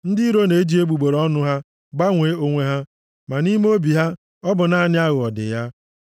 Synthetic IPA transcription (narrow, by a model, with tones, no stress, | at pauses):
n̩˦dɪ˦ɾo˦ne˨e˦d͡ʒi˦e˦ɡ͡bu˨ɡ͡bo˨ɾɔ˦nʊ˦ɦa˦ | ɡ͡ba˦ŋʷe˨˦o˦ŋʷe˦ɦa˦ | ma˨ni˦m˦o˦bi˨ɦa˦ | ɔ˦bʊ˨na˨nɪ˦a˦ɣʊ˨ɔ˨dɪ̰˨ja˦